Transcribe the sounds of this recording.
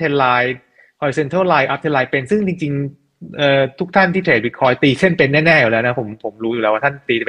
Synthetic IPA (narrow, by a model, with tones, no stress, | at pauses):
t̪ʰe˧laː˧j | hʰɔ˧jse˧nt̪ʰɤ˥˩laː˧jʔa˦˥p̚t̪ʰe˧laː˧jpe˧nsɯ˥˩ŋt͡ɕi˧ŋt͡ɕi˧ŋ | ʔɤː˨˩t̪ʰu˦˥k̚t̪ʰa˥˩nt̪ʰiː˥˩p̪ʰeː˨˩wi˦˥t̚kʰɔː˦˥jt̪iː˧t͡ɕʰe˥˩npe˧nːɛː˥˩nɛː˥˩juː˨˩lɛː˦˥wna˦˥˩pʰo˩˦mpʰo˩˦mɾuː˦ju˨˩lɛː˦˥wa˥˩a˥˩nt̪iː˧˥˩